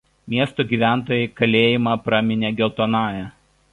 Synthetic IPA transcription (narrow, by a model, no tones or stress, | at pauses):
mʲiɛst̪oːɡʲiːʋʲæˑnt̪oːjɛɪkɐlʲeːjɪmɑpɾɐmʲɪnʲɛːɡʲɛlˠt̪oːnɑːjɛ